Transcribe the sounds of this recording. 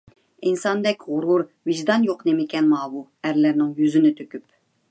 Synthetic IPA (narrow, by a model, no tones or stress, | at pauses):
insɑnd̪ɛkʲʁʊɾuɾ | vɪʒd̪ɑnjoqnemɪkʲɛnmɑːwuæɾlæɾnɪŋjyzɪnɪt̪ʰøkʲyp